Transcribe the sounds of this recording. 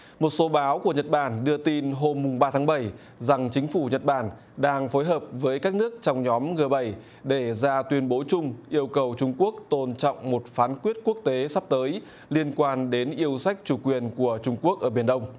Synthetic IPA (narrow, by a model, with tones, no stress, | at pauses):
mo˨˩t̚so˨˦ɓaː˨˦wku˧˩əɲə˨˩t̚ɓaː˧˩nɗɨ˧ət̪i˧nɦo˧mːʊ˨˩ŋ͡mɓaː˧t̪ʰaː˨˦ŋɓə˧˩j | za˨˩ŋt͡ɕï˨˦ŋ̟fu˧˩ɲə˨˩t̚ɓaː˧˩n | ɗaː˧ŋfo˨˦jɦəː˨˩p̚vəː˨˦jkaː˦˥k̚nɨ˦˥ək̚t͡ɕɔ˧wŋ͡mɲɔ˨˦mŋɨ˨˩əɓə˧˩j | ɗe˧˩zaː˧t̪wi˧ənɓo˨˦t͡ɕʊ˧ŋ͡mʔi˧əwkə˨˩wt͡ɕʊ˧ŋ͡mku˦˥ək̚t̪o˧˩nt͡ɕɔ̰˧˨wŋ͡mmo˨˩t̚faː˨˦nkwi˦˥ət̚ku˦˥ək̚t̪e˨˦sa˦˥p̚t̪əː˨˦j | li˧ənkwaː˧nɗe˨˦nʔi˧əwsa˦˥jk̟̚t͡ɕu˧˩kwi˨˩ənku˧˩ət͡ɕʊ˧ŋ͡mku˦˥ək̚ʔəː˧˩ɓi˧˩ənɗə˧wŋ͡m